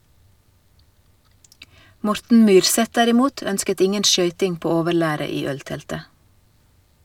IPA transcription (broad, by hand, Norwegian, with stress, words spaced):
ˈmɔɾtn̩ ˈmyːɾˌsɛt ˈdæɾɪˌmuːt ˈœnskət ˈɪŋən ˈʃœʏtɪŋ ˈpoː ˈoːʋəˌɭæːɾə ˈiː ˈœlˌtɛltə